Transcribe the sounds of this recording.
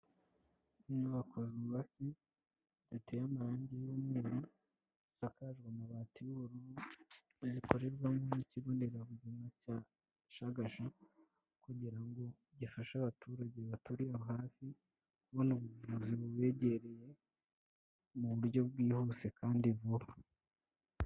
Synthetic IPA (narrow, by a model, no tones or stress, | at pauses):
nuβakʰoziβasi | z̥itʰejamaɾaːɲɟejumweːɾo | sakaʒɡwanaβaːtiβuβuɾu | ziko̞ɾe̞ɾɡwamoniciɡo̞ːndeɾaβuzimaca | ʃaɡaʃa | kuɟiɾaŋɡo̞ | ɟifaʃaβatuɾaɟe̞βatuɾijaβohaːsi | kuβonuβuvuziβuβe̞ɟe̞ɾeje̞ | muβuɾɟo̞bɡiːhuse̞kaːndiβuɾa